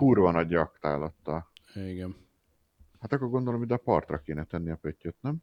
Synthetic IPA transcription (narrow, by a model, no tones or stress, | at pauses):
purvɒnɒɟɒkt̪a̰ːlɒt̪ːɒliɡɛn | hat̪ɒkːoɡo̞nd̪olomid̪ɛpɒrt̪rɒ̰keːnɛt̪ɛnːiɒpøcːøt̪nɛm